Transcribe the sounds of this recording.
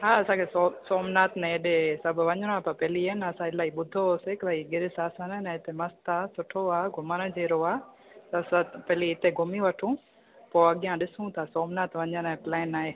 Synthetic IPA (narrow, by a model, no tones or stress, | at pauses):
ɦaːɐsãːkʰesosoːmnaːt̪nɛ̃eɗesɐbʱʊ̆ʋɐ̃ɲəñoaːpɐpɛɦliɐnɐsãɪlaːiɓʊd̪ʱoseːklaːiɡɪɾɪsaːsənənɛ̃ɪt̪emɐst̪asʊʈʰoaːɡʱʊməñəd͡ʑeːɾoaː | t̪ɐsãpɛɦliɪt̪eɡʱʊmiʋɐʈʰũ | poːɐɠijãɗɪsũt̪ʰasoːmnaːt̪ʋɐ̃ɲəñːplɛːnːaːɦeː